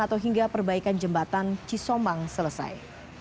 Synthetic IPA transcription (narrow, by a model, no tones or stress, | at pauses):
at̪awɦiŋɡapərbaikand͡ʒəmbat̪ant͡ʃisɔmbaŋsələsa̰j